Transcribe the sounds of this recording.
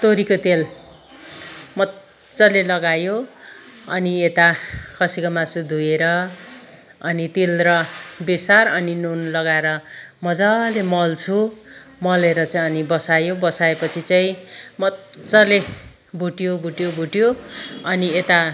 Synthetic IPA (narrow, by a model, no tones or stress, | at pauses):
t̪oɾikot̪el | mʌ | t͡sʌlelʌɡajo | ʌniet̪akʰʌsikʌmasud̪ʱujeɾʌ | ʌnit̪ilrʌbesarʌninonlʌɡaeɾʌmʌd͡zalemʌlt͡sʰumʌleɾʌt͡saĩʌnibʌsajobʌsaepʌt͡sʰit͡saĩmʌt͡sʌle | bʱuʈjobʱuʈjobʱuʈijoʌniet̪a